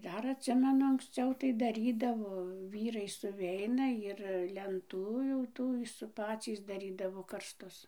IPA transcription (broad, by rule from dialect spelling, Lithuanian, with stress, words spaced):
ˈdɐr ɐtʲˈsʲɪmʲɛnʊ ɐŋksʲˈt͡sʲɛʊ tɐɪ dɐˈrʲiːdɐʋoː ˈʋʲiːrɐɪ sʊˈʋʲɛɪnɐ ɪr lʲɛnˈtuː jɛʊ ˈtuː s ɪr ˈpɑːt͡sʲiːs dɐˈrʲiːdɐʋoː kɐrsˈtʊs